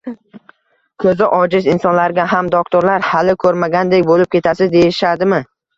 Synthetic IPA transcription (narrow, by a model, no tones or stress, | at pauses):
kʰɵzɪʔɒd͡ʒɪzɪnsɒnlaɾɡʲaɦamd̪ok̚t̪ʰoɾlaɾhalɪkʰɵɾmaɡʲand̪ekʲbolɪp̚kʲʰe̞t̪ʰasɪzd̪e̞jɪʃad̪ɪmɪ